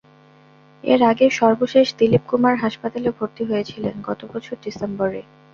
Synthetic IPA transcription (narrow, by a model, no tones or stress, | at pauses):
ḛɾaɡeʃɔɾboʃeʃd̪ilip̚kumaɾɦaʃpat̪aleobʱoɾt̪iɦojet͡ɕʰilenɡɔt̪obɔt͡ɕʰoɾɖisemboɾe